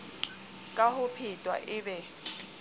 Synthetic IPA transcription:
kʼahʊpʰitʼwa̰ʔɪːbɛ

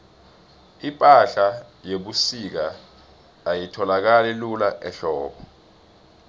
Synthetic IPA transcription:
ipʼaɬajeɓusik̬a | ajitʰɔlak̬alɛlulaʔɛɬɔːɓɔ

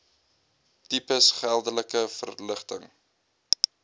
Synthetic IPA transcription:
tipəsχælˠdələkəfə̰rləχtəŋ

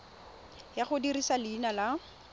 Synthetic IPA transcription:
jaχʊdirisalɪːnala

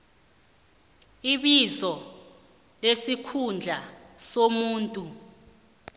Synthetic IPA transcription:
iɓizɔ | lesikʰund͡ɮʱasomuːntʼu

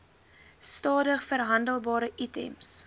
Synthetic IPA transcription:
stɑːdəχfərɦɐndəlˠbɑːɾəʔitɛ̰ms

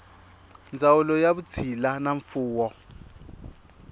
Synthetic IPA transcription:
nd͡zawulɔjaβut͡sʰilanaɱfuːwɔ

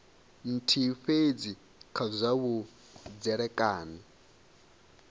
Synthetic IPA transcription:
n̩tʰiɸed͡zi | kʰazʷaβu | d͡zɛɺɛkʼaːni

